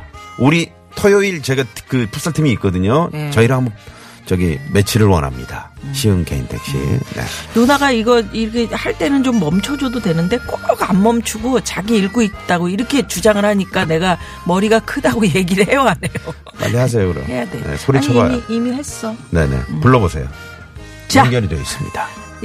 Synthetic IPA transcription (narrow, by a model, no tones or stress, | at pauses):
uɾi | tʰojoiɭt͡ɕe̞ɡakɯpʰus͈aɭtʰimiːk͈ʌdɯɲot͡ɕʌiɾʌɦambʌ | t͡ɕʌɡime̞t͡ɕʰiɾɯɭwʌ̰nɦa̰mɲḭd̥aɕʰiɯŋkeḭntʰḛk̚ɕ͈ḭnḛnunaɡaiɡʌiɾkʰehaɭt͈e̞nɯnt͡ɕomːʌmt͡ɕʰʌd͡ʑododwe̞nɯnde̞k͈okoɡammʌmt͡ɕʰuɡot͡ɕaɡiːɭɡoit̚t͈aɡoiɾʌkʰe̞t͡ɕud͡ʑaŋɯɭhaɲik͈ane̞ɡa | mʌɾiɡakʰɯdaɡoje̞ɡiɾɯɭhe̞joane̞jo | ma̰ːiɦas̬ʰejokɯɾḛnḛsʰoɾit͡ɕʰʌɡa̰iimihe̞s͈ʌne̞̰ne̞̰puɭːʌbosʰe̞̰jo | t͡ɕaŋɡjʌɾid͡ʑois͈ɯ̥mɲid̥a